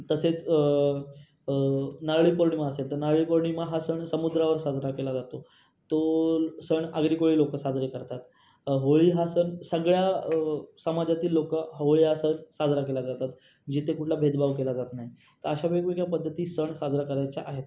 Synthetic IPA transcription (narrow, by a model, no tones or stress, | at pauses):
t̪əset͡s | naɾɭiːpoɾɳimaəselt̪əɾnaɾɭiːpoɾɳimaɦasəɳsəmud̪ɾaʋəɾsad͡zʱɾakelad͡zat̪o | t̪osəɳaɡɾikoɭiːlokəsad͡zɾekəɾt̪at̪ | ɦoɭiːɦasənsəɡɭja | səmad͡ʑat̪iːlːokəɦɦoɭiɦasənsad͡zɾakelad͡zat̪at̪ | d͡ʑit̪ekuʈʰlabʱed̪baʋkelad͡zat̪naɦi | t̪əɾəɕabəɡʋeɡjapəd̪ʱːət̪iːsəɳsad͡zɾakəɾajt͡ɕaʔaɦet̪